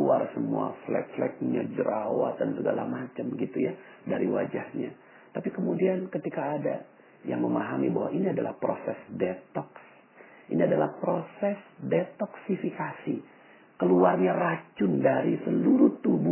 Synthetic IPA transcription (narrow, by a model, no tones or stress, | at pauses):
uarsəmua̰flɛ̰k̚flɛ̰k̚ɲad͡ʒəɾawa̰t̪dansəɡala̰mat͡ʃəmɡit̪uja | daɾḭwa̰d͡ʒahɲa | t̪apikəmudiankət̪ikaːda̰ | ja̰ŋməmaɦamibaɦwa̰ʔiniadala̰hpɾosɛsdet̪ɔks | ʔiniadalahpɾosɛsdet̪ɔksifikasi | kəluarɲarat͡ʃʊndaɾisəluɾuht̪ubu